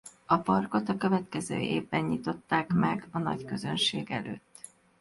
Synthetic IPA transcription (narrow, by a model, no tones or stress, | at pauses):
ɒpɒrko̞t̪ɒkø̞vɛt̪kɛzø̰ːʔeːvbɛɲɲit̪o̞t̪ːaːkmɛɡɒnɒ̰ɟkø̞zø̞nʃeːɡɛlø̰ːt̪ː